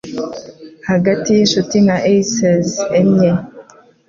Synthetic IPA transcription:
haɡatijinʃutinaʔeisezemɲe

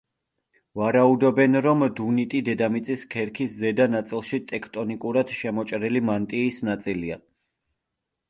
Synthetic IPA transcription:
vaɾaud̪ɔbɛnɾɔmd̪unit̪ʼid̪ɛd̪amit̪sʼiskʰɛɾkʰiszɛd̪anat̪sʼilˠʃit̪ʼɛkʰt̪ʼɔnikʼuɾad̪̥ʃɛmɔt͡ʃʼɾilimant̪ʼiːsnat̪sʼilia̰

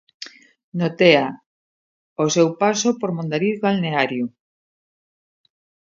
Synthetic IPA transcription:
not̪ea | osewpasopoɾmõnd̪aɾiðɡalneaɾjo

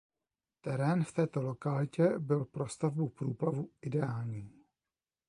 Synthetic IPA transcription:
t̪ɛɾɛːnft̪ɛːt̪o̞lo̞kalɪcɛbɪlpɾo̞st̪avbupɾuːplavuʔɪdɛaːlɲiː

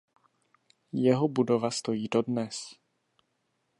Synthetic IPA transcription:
jɛɦobudovast̪o̞jiːdo̞dnɛs

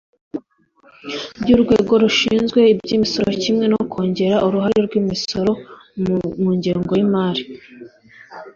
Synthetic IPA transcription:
bɟuːɾɡwe̞̰ːɡo̞ɾuʃḭːnzɡwe̞ibɟiːmiso̞ɾocimŋe̞nokʰo̞ːɲɟe̞ɾaʔuɾuɦaɾeɾɡwiːmiso̞ɾo̞ | muːɲɟeːŋɡo̞imaːɾi

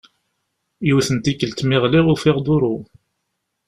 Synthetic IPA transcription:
juθənt̪ikːəlt̪mɪʁliʁʊfɪʁd̪ʊɾu

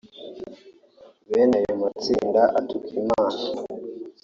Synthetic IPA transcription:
βenajomat͡sḭːndaʔatukʰimaːna

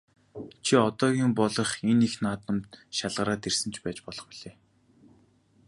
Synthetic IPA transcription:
t͡ɕʰiɔt̪ɔːɣʲiːmpɔɮɞ̆χenixnaːt̪ə̆mt̪ʃaɮʁə̆ɾaːt̪ersɘ̆nt͡ɕʰpæːt͡ɕpɔɮɞ̆χpiɮ̥eː

